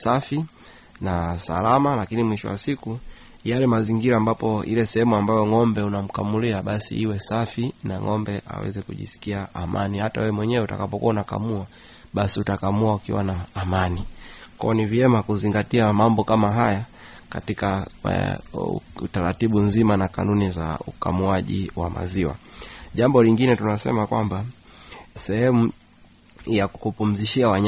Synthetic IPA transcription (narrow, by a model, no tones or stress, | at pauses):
safi | nasa̰lamalakinimwiʃɔ̰wa̰siku | jalɛmaziŋɡiɾaːmbapɔḭlɛsɛhɛmuambajɔŋɔmbɛunam̩kamuliaɓasḭʔiwɛsafinaŋɔmbɛʔa̰wɛ̰zɛkṵʄḭsi̥kiaʔamʔa̰nihata̰wɛwɛmwɛɲɛwɛuta̰kapɔkṵaunaka̰mua | ɓasiutakamuaukḭwanaːmanikɔ̰ɔniviɛmakuziŋɡatiamambɔkamaɦaja | ka̰tika | taɾatiɓunzimanaka̰nuniza̰ṵka̰muaʄḭwa̰mʔa̰ziwa̰ʄambɔliŋɡinɛtunasɛ̰makwamba | sɛhɛmu | jakkupum̩ziʃiawaɲ